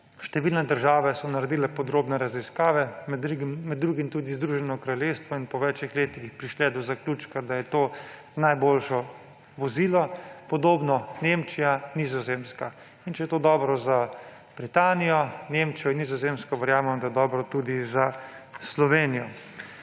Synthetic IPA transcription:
ʃt̪ɛʋiːlnɛd̪əɾʒaːʋɛsɔnaɾɛd̪iːlɛpɔd̪ɾoːbnɛɾaziskaːʋɛmɡmmɛd̪ːɾuːɡimt̪ud̪izd̪ɾuːʒɛnɔkɾalʲjeːst̪ʋɔinpɔʋɛt͡ʃixleːt̪ixpɾiʃlɛd̪ɔzakluːt͡ʃkad̪ajɛt̪oː | najbolʃɔ | ʋɔziːlɔpɔd̪oːbnɔnemt͡ʃijanizɔzemska | int͡ʃɛjɛt̪oːd̪ɔːbɾɔza | b̥ɾit̪aːnijɔnemt͡ʃijɔinːizɔzemskɔʋɛɾjaːmɛmɔd̪ajɛd̪ɔːbɾɔt̪ud̪izaslɔʋeːnijɔ

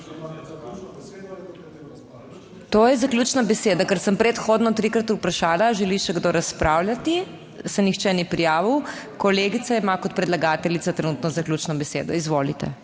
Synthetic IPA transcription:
t̪ojɛzakljuːt͡ʃnabɛseːd̪akəɾsəmpɾɛt̪xoːd̪nɔt̪ɾikɾat̪upɾaʃaːlaʒɛliʃɛɡd̪oɾaspɾaːwlʲjat̪i | sɛnixt͡ʃɛnipɾijaːʋiw | kɔleːɡit̪saimakɔt̪̚pɾɛd̪laɡaːt̪ɛlit̪sat̪ɾɛnuːt̪nɔzaklʲuːt͡ʃnɔbɛsḛːd̪ɔizʋoːlit̪ɛ̰

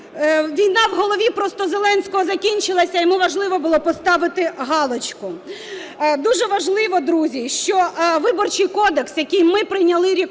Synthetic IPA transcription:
ʋʲijnɑʋɦɔlˠɔʋʲipɾɔst̪ɔzelˠɛnʲsʲkɔɦɔzɐkʲinʲt͡ʃɪlˠɐsʲɐjɔmuʋɐʒlˠɪʋɔbʊlˠɔpɔst̪ɑʋɪt̪ɪɦɑlˠɔt͡ʃkʊ | d̪uʒɛʋɐʒlˠɪʋɔd̪ɾuzʲiʃt͡ʃɔʋɪbɔrt͡ʃɪjkɔd̪eksjɐkʲijmɪpɾɪjnʲɐlˠɪɾʲi

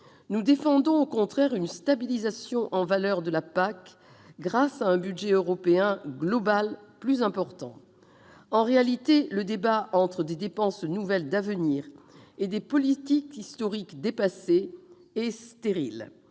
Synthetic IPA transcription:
nud̪efɑ̃d̪ɔ̃okɔ̃t̪χɛʁynst̪abilizasjɔ̃ʔɑ̃valœʁd̪əlapak | ɡʁasaɛ̃byd̪ʒɛøʁɔpeɛ̃ɡlɔbalplyzɛ̃pɔʁt̪ɑ̰̃ | ɑ̃ʁealit̪eləd̪ebaɑ̃t̪χəd̪ed̪epɑ̃snuvɛld̪avəniʁed̪epɔlit̪ikist̪ɔʁikd̪epase | ɛst̪eʁḭl

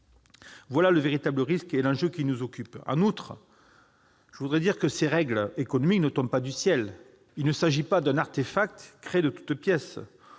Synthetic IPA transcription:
vwalaləveʁit̪abləʁiskɛlɑ̃ʒøkʲinuzɔkʲypɑ̰̃nut̪χə | ʒ̥əvud̪ʁed̪iʁkəseʁɛɡlekɔnɔmiknət̪ɔ̃pad̪ysjɛl | ilnəsaʒipad̪ɛ̃naʁt̪efak̚t̪kχed̪ət̪u̥t̪pjɛs

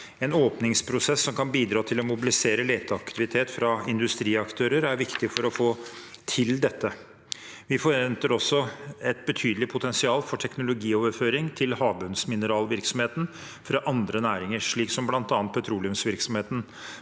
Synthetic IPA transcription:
ɛnoːpnɪŋspʰɾʊsɛsːɔmkʰɑnbiːd̪ɾɑːt̪ʰɪlɔmʊbɪlɪseːɾəleːt̪əɑkt̪ɪʋɪt̪ʰeːt̪fɾɑɪnd̪ʉst̪ɾiːɑkt̪ʰøːɾəɾæɾʋɪkt̪ɪfɔɾɔfoː | t̪ʰɪld̪ɛt̪ːə | ʋɪfɔɾʋɛnt̪əɾɔsːɔɛt̪̚bət̪ʰyːd̪əlɪpʰʊt̪ʰɛnsɪɑːlfɔʈʰɛknʊlʊɡiːoːʋəɾføːɾɪŋt̪ʰɪlhɑːbʉnsmɪnəɾɑːlʋɪɾksɔmheːt̪n̩ | fɾɑʔɑnd̪ɾənæːɾɪŋəʂɭiːksɔmblɑnt̪ɑːnt̪pʰæt̪ʰɾuːlɪʉmsʋɪɾksɔmheːt̪n̩

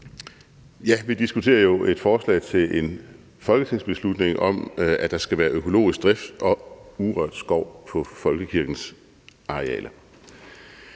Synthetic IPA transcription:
jæʋid̥isɡ̥ut͡sʰe̝̰ːɐjo̝ʔe̝d̥fɒːslɛ̰ɪt͡sʰe̝lʔe̝n | fɒ̽lɡ̥ət͡sʰe̝ŋ̰sb̥e̝slud̥ne̝ŋʔɒ̽m̰æd̥ɑ̈sɡ̥æʋæːɐʔøkʰo̝lo̰ːisɡ̥̚d̥ʁɛfd̥ɒ̽uʁœd̥sɡ̥ɒʊ̰pʰɒ̽fɒ̽lɡ̥əkʰiɐɡ̥n̩s | ɑ̈ʁeɛ̰ːlʔɐ

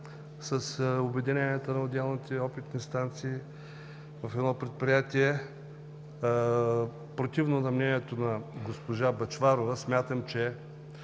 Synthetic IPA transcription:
səsʊbɛd̪inʲɛnʲiət̪ənɐod̪ɛlˠnit̪ɛɔpit̪nʲist̪ant̪siː | vɐfɛd̪nɔpɾɛt̪̚pɾijat̪iɛ | pɾot̪ivnonɐmnʲɛniɛt̪onɐɡospoʒabɐt͡ʃvaɾovəsmʲat̪əmt͡ʃɛ

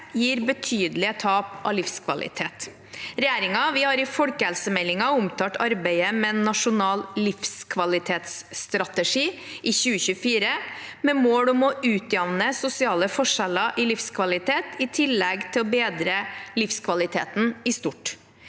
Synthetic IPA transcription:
jiːɾbət̪ʰyːd̪lɪət̪ʰɑːpɑ̰lɪfskʰʋɑ̰lɪ̰t̪ʰeːt̪ | ɾɛjæːɾɪŋɑʋɪhɑɾɪfɔlkəhɛlsəmɛlːɪŋɑʊmt̪ʰɑʈ̪ʰɑɾbæɪəmɛnːɑʂʊnɑːllɪfskʰʋɑlɪt̪ʰeːt̪st̪ɾɑt̪əʂiː | ʔɪçʉːəçʉfiːɾəmɛmoːɽɔmɔʔʉːt̪jɛʋnəsʊsɪɑːləfɔʂɛlɑʔɪlɪfskʰʋɑlɪt̪ʰeːt̪ɪt̪ʰɪlːɛɡt̪ʰɪɔbeːd̪ɾəlɪfskʰʋɑlɪt̪ʰḛːt̪n̩ɪst̪uːʈː

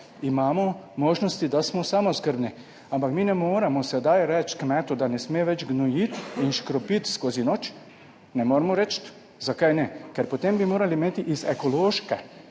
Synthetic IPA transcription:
imaːmɔmoːʒnɔst̪id̪asmɔsamɔskəɾbni | ampakmiːnɛmoːɾɛmɔsɛd̪ajɾɛt͡ʃt̪kmɛːt̪ud̪anɛsmeːʋɛd͡ʒɡnɔjit̪inʃkɾɔpit̪skoːzinoːt͡ʃ | nɛmoːɾɛmɔɾɛt͡ʃt̪ | zakajnɛkɛɾpɔt̪embimoːɾalimeːt̪iʔizɛkɔloːʃkɛ

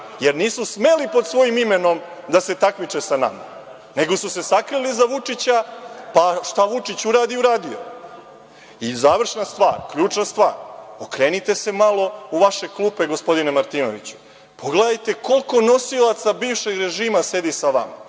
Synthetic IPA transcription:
je̞ɾniːsusme̞lipo̞d̪sʋo̞jimimeno̞m | d̪ase̞t̪akmit͡ʂe̞sana̰ma̰ | ne̞ɡo̞suse̞sakɾilizaʋut͡ʂit͡ɕapaʃt̪aʋut͡ʂit͡ɕuɾaːd̪iuɾaːd̪io̰ | izaːʋr̩ʃnast̪ʋaːɾkʎuːt͡ʂnast̪ʋa̰ːɾokɾe̞ːnit̪e̞se̞malo̞uʋaʃe̞klˠuːpe̞ɡo̞spo̞d̪ine̞maɾt̪inoʋit͡ɕu̥ | pʰo̞ɡle̞d̪ajt̪e̞ko̞lˠko̞no̞silat̪sabiːʋʃe̞ɡɾe̞ʒiːmase̞d̪isaʋa̰ma

